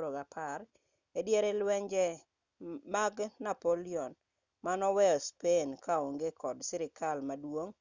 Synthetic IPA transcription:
ɾoɡapar | edjɛɾelwɛɲd͡ʒɛ | maɡnapoliɔn | manɔwɛɔspenkaoŋɡekʰɔdsɪɾɪkalmadwoŋ

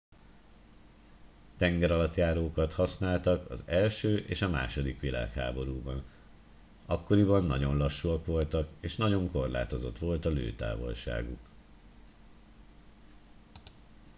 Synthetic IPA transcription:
t̪ɛŋɡɛɾɒlɒt̪jaːɾoːkɒt̪hɒsnaːlt̪ɒkɒ̰zɛlʃøːʔeːʃɒma̰ːʃo̞d̪ikʋila̰ːkha̰ːbo̞ɾuːbɒn | ɒkːo̞ɾibɒnːɒ̰ɟo̞nlɒʃːuɒkʋo̞lt̪ɒkeːʃnɒɟo̞ŋko̞rla̰ːt̪o̞zo̞̰t̪ʋo̞lt̪ɒlø̰ːt̪a̰ːvo̞̰lʃa̰ːɡuk

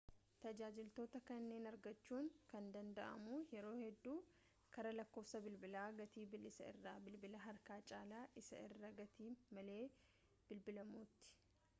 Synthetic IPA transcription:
t̪ɐd͡ʒaːd͡ʒɪlt̪o̞ːt̪ɐkɐnːe̞ːnɐɾɡɐt͡ʃːuːŋkɐnd̪ɐnd̪ɐʔɐ̰muːjɛɾo̞ːhɛd̪ːuː | kɐɾɐlɐkːoːfsɐbɪlbɪlaːɡɐt̪iːbɪlɪsɐɪ̰rːaːbɪlbɪlɐɦɐɾkaːt͡ʃʼaːlaːʔɪsɐ̰ɪ̰rːɐɡɐt̪iːmɐleː | b̥ɪlbɪlɐmuːt̪ːɪ̥

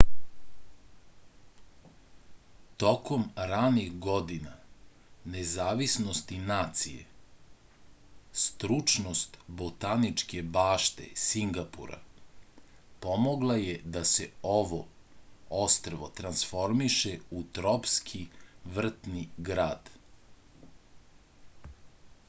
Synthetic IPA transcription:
t̪o̞ko̞mɾanixɡo̞d̪ina | ne̞zaːʋisnost̪inaːt̪sḭjḛ | st̪ɾut͡ʃnost̪bot̪anit͡ʃke̞baːʃt̪e̞̰siŋɡapṵɾa̰ | po̞moɡlˠajed̪aseoʋo̰ | ost̪ɾoʋot̪ɾansfo̞ɾmiʃeut̪ɾopskʰiʋr̩t̪niɡɾaːd̪̥

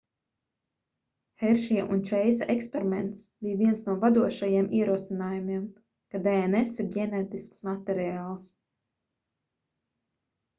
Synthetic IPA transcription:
xɛɾʃiʔunt͡ʃɛjsaʔekspʲeɾimɛnt̪sb̥ijviɛnsnuɔvad̪uɔʃajiɛmʔiɛɾuɔsinaːjumiɛm | kad̪ɛenɛsiɾɡʲɛnɛːt̪isksmat̪ɛɾiaːlˠs

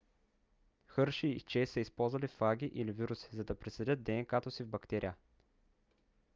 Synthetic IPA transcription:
xɤɾʃiːt͡ʃɛsəispɔlˠzvɐlifaɡʲiʔiliviɾusi̥zɐd̪ɐpɾɛsɛd̪ʲət̪̚d̪ɛnkat̪osivbɐkt̪ɛɾijə

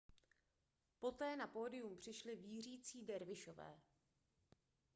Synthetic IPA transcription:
po̞t̪ɛːnapoːdɪjumpr̝̥ɪʃlɪviːr̝iːt͡siːdɛɾvɪʃo̞vɛ̰ː

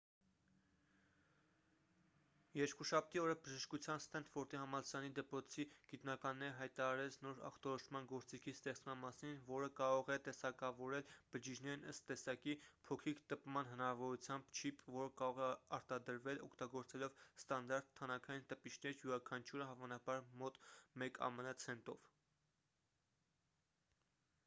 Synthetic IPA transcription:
jɛɾkuʃɑp̚t̪iɔɾəbəʒəʃkut͡sʰjɑnst̪ɛnt̪fɔɾt̪iɦɑmɑlsɾɑnid̪əpɾɔt͡sʰiɡ̥it̪nɑkɑnːɛɾəɦɑjt̪ɑɑɾɛt͡sʰnɔɾɑ̰χt̪ɔɾɔʃʰmɑnɡɔɾt͡sikʰist̪ɛχt͡smɑnmɑsinvɔɾəkɑɾɔʁɛt̪ɛsɑkɑvɔɾɛlb̥əd͡ʒid͡ʒnɛɾinəst̪ːɛsɑkipʰɔkʰɾikʰt̪əpmɑnɦənɑɾɑvɔɾut͡sʰjɑmbt͡ʃʰipvɔɾəkɑɾɔʁɛɑɾt̪ɑd̪əɾvɛlɔkʰt̪ɑɡɔɾt͡sɛlɔvst̪ɑnd̪ɑɾt̪ʰːɑnɑkʰɑjint̪əpit͡ʃʰnɛɾjuɾɑkʰɑnt͡ʃʰuɾəɦɑvɑnɑbɑɾmɔt̪mɛkʰɑ̰mənət͡sʰɛnt̪ɔv̥

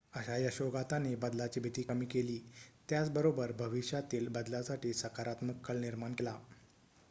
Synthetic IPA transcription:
əɕajəɕoɡat̪anebəd̪lat͡ɕiːbʱit̪iːkəmiːkeliːt̪jat͡sbəɾobəɾbʱəʋiɕjat̪iːlbəd̪lasaʈiːsəkaɾat̪məkːəɭniɾmankela

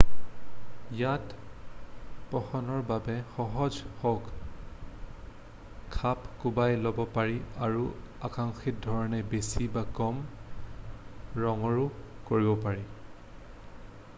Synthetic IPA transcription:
jat | pɔxɔnɔɹbabɛxɔɦɔd͡ʒhɔɡ | kʰapkubajlɔbɔpaɹiaɹu | akaŋxit̚dʱɔɹɔnɛbesibakɔm | ɹɔŋɔɹu | koɹibɔpaɹi

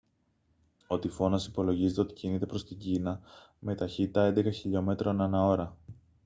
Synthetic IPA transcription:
o̞t̪ifo̞nɐsi̥po̞lo̞ʝizet̪eo̞t̪i̥cinit̪e̞pɾo̞st̪iɲɟinɐ | me̞t̪ɐçit̪it̪ɐe̞nd̪e̞kɐçiʎo̞me̞t̪ɾonenɐo̞ɾɐ

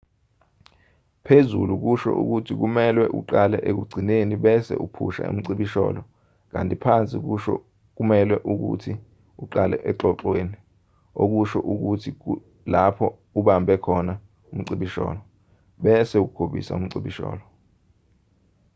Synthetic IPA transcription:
pʰezṵluk̬uʃɔ̰ʔṵk̬utʰik̬umɛlwɛʔṵǃalɛʔek̬uɡ͡ǀʱineniɓɛsɛ̰ʔupʰṵʃa̰ṵm̩ǀiɓiʃɔ̰ːlɔ | k̬a̰ntʼipʰant͡sʼik̬uʃɔ̰ | k̬umɛlwɛʔuk̬ṵtʰi | uǃalɛ̰ʔɛǁɔǁweːni | ok̬uʃɔʔuk̬utʰi | lapʰɔ | uɓambʱɛkʰɔna | um̩ǀiɓiʃɔ̰ːlɔ | ɓɛsɛuk̬kʰoɓḭsa̰um̩ǀiɓiʃɔ̰ːlɔ

